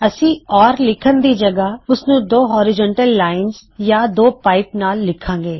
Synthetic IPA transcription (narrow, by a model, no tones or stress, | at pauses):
ɐsĩɔːɾlɪkʰənd̪id͡ʒɐɡaʊsnũd̪oːɦɔːɾɪd͡ʒɔ̃ːɳʈəlːaːɪnzjad̪oːpaːɪpnaːlːɪkʰãːŋɡeː